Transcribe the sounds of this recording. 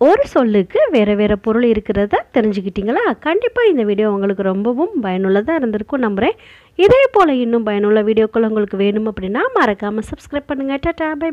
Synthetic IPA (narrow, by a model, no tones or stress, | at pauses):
ɔɾɯsɔlːɯkːɯʋeːɾɐʋeːɾɐpɔɾɯɭɪɾɯkːɪɾɐtaːt̪ɛɾɪɲd͡ʒɯkːɪʈːiːŋɡɐɭaːkɐɳɖɪpːaːɪnd̪ɐʋiːɽɪjoːɐŋɡɐɭɯkːɯɾɔmbɐʋɯmbɐjɐnɯɭːɐt̪ãːɪɾɯnd̪ɪɾɯkːʊ̃nɐmbɯɾẽː | ɪðeːpoːlɐɪnːɯmpɐjɐnʊɭːɐʋiːɽɪjoːkːɐɭɐʊŋɡɐɭɯkːɯʋeːɳɯmɐpːɐɽɪnːaːmɐɾɐkːaːmɐsɐbskɾɐɪp̚pɐɳːɯŋɡɐʈːɐʈːaːbɐ